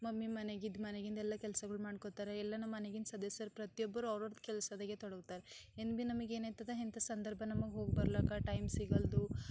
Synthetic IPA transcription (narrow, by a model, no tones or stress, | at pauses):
mɐmːimɐneɡid̪mɐneɡind̪ɐɛlːɐkɛlsɐɡɐɭumaːɽkot̪aːɾeɛlːɐnɐmɐneɡind̪sɐd̪ɐsɐɾpɾɐt̪ijɔbːɐɾuɐʋɾɐɾd̪kɛlɐsɐd̪ɐɡet̪ɔɽɐɡt̪aːɾeenbinɐmɐɡe̞ːnaːjt̪ɐd̪eɦint̪ɐsɐnd̪ɐɾbʱɐnɐmɐɡeɦo̞ːɡ̚bɐɾlaːkɐʈɐjmsiɡɐld̪u